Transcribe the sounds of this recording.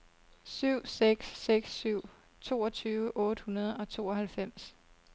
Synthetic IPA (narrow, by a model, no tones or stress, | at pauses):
syʊ̰seɡ̥sːeɡ̥sːyʊ̰ | t͡sʰo̝ːɒt͡sʰyːʋəʔɔ̽ːd̥əhunɐð̞ˠɒ̽t͡sʰo̝̰ːɒ̽hælfem̰s